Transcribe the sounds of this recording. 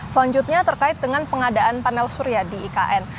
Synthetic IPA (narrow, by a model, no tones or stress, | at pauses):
səlaɲd͡ʒut̪̚ɲat̪ərkaɪt̪̚dəŋanpəŋadaʔanpanɛlsuɾiadiːkaʔɛn